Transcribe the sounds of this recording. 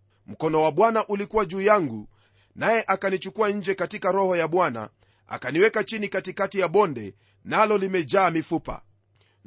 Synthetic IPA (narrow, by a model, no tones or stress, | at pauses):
m̩kɔnɔwaɓwanaʔulikuwaʄuːjaŋɡu | najɛʔakanit͡ʃukuaɲ̩d͡ʒɛkatikaɾɔhɔjaɓwana̰ | a̰kaniwɛkat͡ʃinikatikatijaɓɔndɛ | nalɔlimɛd͡ʒaːmifupa̰